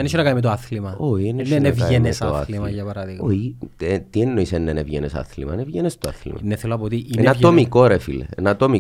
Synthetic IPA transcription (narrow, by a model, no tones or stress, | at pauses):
ɐneʃonɐkɐnimet̪oɐθlimɐoienenenevɐenesoɐ̰limɐʝɐpɐɾɐðiɣoiet̪ienːoisenːenevʝḛnesɐ̰θlḭmɐ̰nevʝenest̪oɐ̰θlḭmɐ̰neθeloɐpooːt̪ienɐt̪omikoɾefḭlḛnɐt̪omi